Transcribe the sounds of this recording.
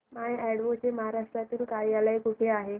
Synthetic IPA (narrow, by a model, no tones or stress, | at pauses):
maeɛɽʋot͡ɕeməɦaɾaʂʈɾat̪iːlkaɾijaləikuʈʰeaɦe